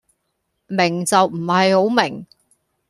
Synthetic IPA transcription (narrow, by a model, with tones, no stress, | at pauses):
mɪ˨˩ŋt͡sɐ˨wm̩˨˩hɐ˨jho˨˥wmɪ˨˩ŋ